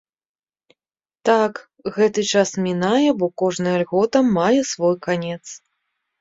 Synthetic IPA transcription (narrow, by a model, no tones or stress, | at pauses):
t̪ak | ɣɛt̪ɨt͡ʂasmʲinajɛbɔkɔʐnɨjɐlʲɣɔt̪ɐmːajɛsvɔjkanʲɛt̪s